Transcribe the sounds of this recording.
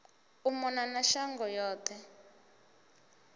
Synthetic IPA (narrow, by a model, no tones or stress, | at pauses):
umɔnanaʃaŋɡɔjɔːtʰɛ